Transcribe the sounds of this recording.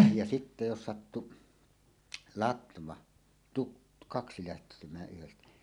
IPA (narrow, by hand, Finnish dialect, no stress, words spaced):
jɑ sitːe jos sɑtːu lɑtʋɑ tuk kɑksi læhtemæː ʔyhestæ